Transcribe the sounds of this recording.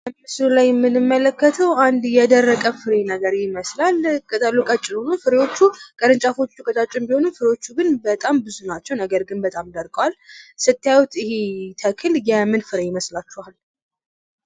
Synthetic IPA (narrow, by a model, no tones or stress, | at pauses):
bəmɨslulajɛmːɨnɨmːələkːət̪ʰəwand̪jɛd̪ərːəkʼəfɨɾenəɡəɾjɪməslalkʰʼət̪ʼəlːukʼat͡ʃʼːɪlhonufɨɾewo̞t͡ʃːukʼəɾɨnt͡ʃʼafo̞t͡ʃːukʼət̪ʼat͡ʃʼɪmbiho̞nufɨɾewo̞t͡ʃːuɡɨnbət̪ʼambɨzunat͡ʃːɛwnəɡəɾɡɨnbət̪ʼamd̪əɾkʼəwalsɨt̪ːjajwut̪ʰɪhet̪ʰəkʰɨljɛmːɨnfɨɾejɪməslat͡ʃːuhal